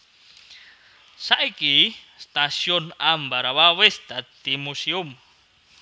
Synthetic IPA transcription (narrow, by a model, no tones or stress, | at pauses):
saʔiki | st̪asionambaɾaβawest̪at̪imusium